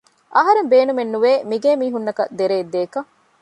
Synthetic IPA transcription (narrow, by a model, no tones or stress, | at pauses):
ʔɐɦɐɾembeːnumenːuʋeːmiɡeːmiːɦunːɐkɐd̪eɾeːd̪ːeːkɐ